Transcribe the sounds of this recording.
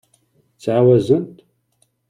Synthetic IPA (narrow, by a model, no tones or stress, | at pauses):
t͡saːwɐzɨntʼ